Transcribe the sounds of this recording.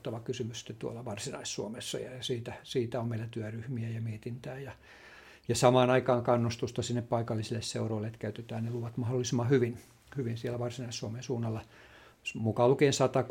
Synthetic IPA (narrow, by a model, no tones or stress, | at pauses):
t̪ːɑʋɑkysymysi̥t̪ːet̪t̪uo̰lːɑʋɑrsinɑ̰issuomesːɑ̰jɑjɑsiːt̪æsiːt̪æommeilæt̪yæryhmiæjɑmiet̪int̪æːjɑ | jɑsɑmɑːnɑikɑːŋkɑnːust̪ust̪ɑsinːeppɑikɑlːisilːesseuroilːeet̪kæyt̪et̪æːnneluʋɑt̪mɑholːˑisimɑhyʋin | hyʋinsielːæʋɑrsinɑissuomensuːnːɑlːɑ | mukɑlukeːnsɑt̪ɑk